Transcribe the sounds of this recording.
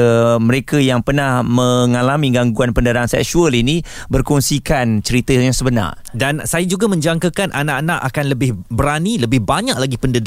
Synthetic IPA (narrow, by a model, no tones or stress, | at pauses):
məɾekajaŋpərnahmə̃ŋalamiɡaŋɡuanpəndəɾaŋsɛ̰k̚ʃuəlini | bərkɔnsikant͡ʃəɾit̪əjaŋsəbəna̰r | dansajad͡ʒuɡamə̃ɲd͡ʒaŋkəkanʔanaʔanaʔakanləbɪhbəɾaniləbɪhbaɲaʔlaɡipəndəd